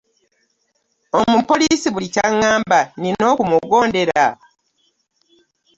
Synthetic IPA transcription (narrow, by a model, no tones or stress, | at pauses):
omupo̞liːsiβulicaŋːaːmbanino̞ːkumuɡoːnde̞ɾa